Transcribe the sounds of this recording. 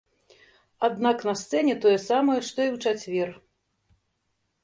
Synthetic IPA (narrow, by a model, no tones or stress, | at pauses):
ad̪naknɐst̪sɛnʲɛt̪ɔjɛsamɐjɛʂt̪ɔiwt͡ʂat͡sʲvʲɛr